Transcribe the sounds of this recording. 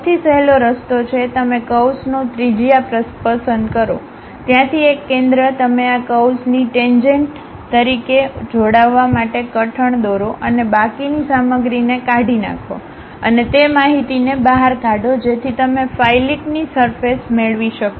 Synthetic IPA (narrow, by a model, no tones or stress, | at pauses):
t̪ʰisəɦeloɾəst̪ot͡ʃʰet̪əmekəwsnõt̪ɾid͡ʒijapɾəspəsənd̪kəɾo̰ | t̪jãt̪ʰiekːẽnd̪ɾət̪əmeakəwsniʈend͡ʒeɳʈ | t̪əɾiked͡ʒoɽaʋːamaʈekəʈʰəɳd̪oɾoʔənebakinisaməɡɾinekaɖʱina̰kʰo̰ | ə̰net̪emaɦit̪inebaɦaɾkaɖod͡ʒet̪ʰit̪əmefajliknisəɾfesmeɭʋiʃəko